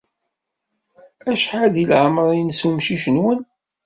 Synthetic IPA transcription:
æʃħaðilʕəmɾˤjnsmʃiʃənwən

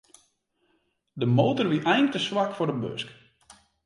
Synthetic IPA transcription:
dəmoːtərʋiʔɛjŋ̚təswakfʊrdəbø̰sk

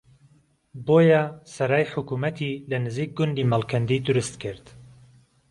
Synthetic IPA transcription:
boːjasɐɾaːjħʊkumɐt̪ʰilɐnɨziːk̚ɡʊnd̪iːmalˠkʰɐnd̪iːd̪ʊɾʊst̪kʰɨɾd̪̥

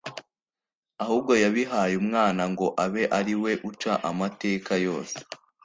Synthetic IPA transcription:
ahuːb̚ɡo̞jaβiɦajumŋaːnaŋɡo̞ʔaβe̞ʔaɾiwe̞ʔut͡ʃaʔamate̞ːkajo̞ːse̥

